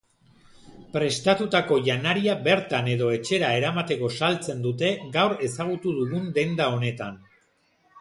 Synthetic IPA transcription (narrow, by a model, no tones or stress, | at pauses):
pɾe̞st̪at̪ut̪ako̞ʝanaɾiaβe̞ɾt̪ane̞ðo̞e̞t͡ʃe̞ɾae̞ɾamat̪e̞ko̞salt͡se̞nd̪ut̪e̞ɡawɾe̞saɣ̞ut̪uðuɣund̪e̞nd̪ao̞ne̞t̪an